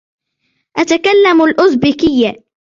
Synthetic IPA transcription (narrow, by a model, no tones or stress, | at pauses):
ʔat̪akalːamalʔʊzbɪːkɪjːa